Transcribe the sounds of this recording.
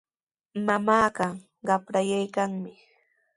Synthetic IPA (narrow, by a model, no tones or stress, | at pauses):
mamaːɢɑ | ɢɑpɾajajkaŋmɪ